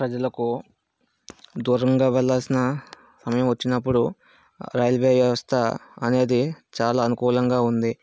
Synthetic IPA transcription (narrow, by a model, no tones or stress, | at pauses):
pɾɐd͡ʒɐlɐku | d̪uːɾɐŋɡaːʋɛlːaːlsinɐ | sɐmɐjɐmʋɐt͡ʃːinɐpːuɽu | ɾɐːjɐlʋeːʋjɐʋɐst̪ʰɐɐne̞ːd̪it͡ʃaːlaːɐnukuːlɐŋɡaːund̪i